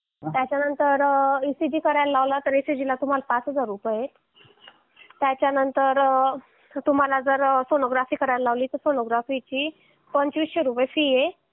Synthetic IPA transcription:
t̪jat͡ɕjanənt̪əɾisiɖiːkəɾajllaʋlat̪əɾisiɖilat̪um̤alapat͡sɦəd͡zaɾupəet̪ | t̪ːjat͡ɕjanənt̪əɾ | t̪um̤alad͡zəɾfonoɡɾafiːkəɾajlalaʋliːt̪əɾfonoɡɾafit͡ɕiː | pəɲt͡ɕʋiɕəɾupəjfije

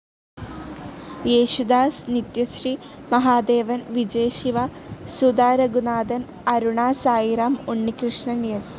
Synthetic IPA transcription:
eːɕud̪aːsnit̪jɐsri | mɐɦaːd̪eːʋɐnʋid͡ʑeːɕiʋɐ | sud̪aːɾɐɡunaːd̪ɐn | ɐɾuɳaːsaːjiɾaːmuɳːikɾɨʂɳɐnjɐs

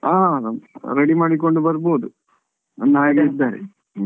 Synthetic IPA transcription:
aː | ɾeɽimaːɽikːo̞ɳɖubɐɾboːd̪u | ɐnːaːjɡɐid̪ːaːɾḛ

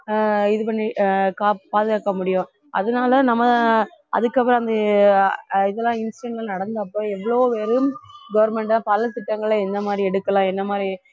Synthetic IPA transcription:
ɪðɯpɐɳːikaːpaːðɯɣaːkːɐmʊɽɪjʊ̃ | ʔɐ̰ðɐnaːlɐnɐmːɐʔɐ̰ðɯkːɐpːɯɾɐnd̪ɐ | ɪðɛlːãːɪnsʈɛɳɡɐlnɐɽɐnd̪ɐːpːoːɛʋːɐɭoːʋeːɾɯmɡɐʋɐɾmɛɳʈːpɐlɐt̪ɪʈːɐŋɡɐɭɐɛnd̪ɐmaːd̪ɾiɛɽɯkːɐlãːɛnːɐmaːd̪ɾi

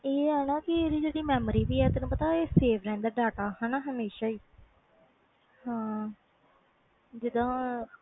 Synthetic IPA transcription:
eːɦɛːnaːkɪɾiːd͡ʒeːɽiːmɛːmɾiːʋiːɛːt̪enũːpət̪aːeːseːʋʰɾɛ̃ːnd̪aːɖaːʈaːɦɛːnaːɦəmeːʃaːiː | hãː | d͡ʒɪd̪ãː

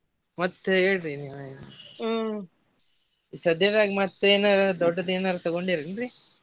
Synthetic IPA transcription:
mɐt̪ːeeːɽɾiniajn | isɐd̪jɐd̪aːɡimɐt̪ːeːnaɾd̪ɔɖːɐd̪eːnaɾɐt̪ɐɡoɳɖiɾɐnɾi

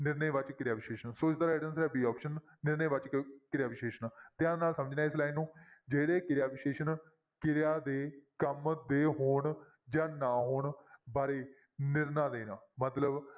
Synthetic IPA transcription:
nɪɾneːʋət͡ʃkɪɾjaːʋɪʃeːʃənsoːɪsd̪aɾaeːɖənsɾɛːbiːɔːpʃənː | ɪɾneːʋət͡ʃkɪɾjaːʋɪʃeːʃənːt̪ɪãːd̪enaːlsəməd͡ʒnãːɪslaːinːũːd͡ʒeːɽeːkɪɾjaːʋɪʃeːʃən | kɪɾjaːd̪eːkəmd̪eːɦoːɳ | d͡ʒãːnãːɦoːɳbaːɾeː | nɪɾnãːd̪eːnãːmət̪ləb

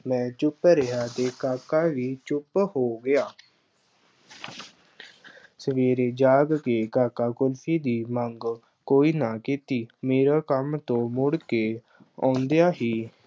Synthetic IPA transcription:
mɛ̃ːt͡ʃʊpɾəɦaːt̪eːkaːkaːʋiːt͡ʃʊphoːɡɪjaː | səʋeːɾeːd͡ʒaːɡkeːkaːkaːkʊlpʰiːd̪iːməŋɡ | koːiːnaːkit̪iːmeːɾaːkəmt̪õːmʊɽkeː | ã̰ːʊnd̪ejaːɦiː

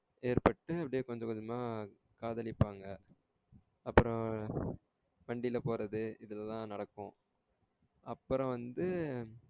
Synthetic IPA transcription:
eːɾpɐʈːɯɐpːɐɽɪjeːkɔɲd͡ʒɐkɐðɯmaː | kaːðɐɭɪpːaːŋɡɐ | ɐpːɯɾɔ̃ | ʋɐɳɖɪlɐpoːɾɐðɯɪðɐlɛlːãːnɐɽɐkːʊ̃ | ʔɐpːɯɾɔ̃ʋɐnd̪ɯ

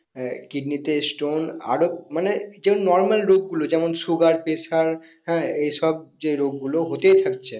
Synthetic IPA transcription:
kiɖnit̪esʈona̰ɾomaned͡ʑɛmonːɔɾmalɾoɡ̚ːulod͡ʑɛmonsuɡaɾpesaɾhɛ̃ejʃɔb̚d͡ʑeɾoɡːuloɦot̪ejt̪ʰakt͡ɕʰe

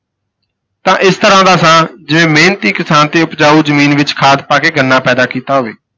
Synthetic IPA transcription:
t̪ãːʔɪst̪əɾãːd̪aːsãːd͡ʒɪʋẽːmeːnt̪iːkɪsaːnt̪eːʊpd͡ʒaːuːzəmiːnʋɪt͡ʃkʰaːd̪̚paːkeːɡʱənːaːpɛːd̪aːkiːt̪aːɦoːʋeː

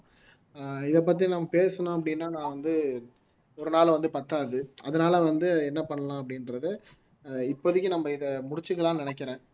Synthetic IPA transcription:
ɪðɛp̬ːɐt̪̬ːinɐmːɐpeːsɐnõːɐp̬ːɽɪnːaːnãːʋɐnd̪ɯ | ɔɾɯnaːlʋɐnd̪ɯpɐt̪ːaːðɯɐðɐnaːlɐʋɐnd̪ɯɛnːɐpɐɳːɐlãːɐp̬ːɐɽɪnɾɐðɯ | ɪpːoðɪkʲːɯnɐmːɐɪðɐmʊɽɪt͡ʃːɯkːɐɭãːnɪnɛkːɪɾẽː

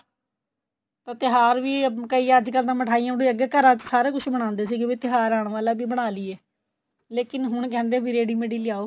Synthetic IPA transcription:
t̪ãːt̪ɪɦaːɾʋiːkəiːəd͡ʒkəld̪ãːməʈʰaːiːãːɽiːəɡɛːkəɾãːt͡ʃsaːɾeːkʊʃʰbəɽ̃ãːnd̪eːsiːɡeːbiːt̪ɪɦaːɾaːɳ̃ʋaːlaːbiːbəɽ̃aːliːɛː | leːkɪnɦʊɳkɛ̃ːnd̪eːbiːɾeːɖiːmeːɽiːlɪjaːoː

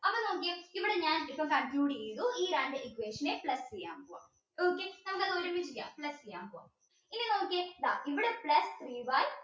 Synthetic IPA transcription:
ɐpːoːnoːk̬ːeiʋiɽeɲaːnipːɐmkɐmpjuːɽiejðuiːɾaːndeʔikweːʂɐnepɭɐst͡ɕejːa̰ːmpoːa̰ːm | oːkːenɐmɐkːɐðɨoɾomːit͡ɕːukija̰ːmpɭɐst͡ɕejːa̰ːmpoːa̰m | inːenoːk̬ːed̪aʔiʋiɽepɭɐst̪riːʋaːj

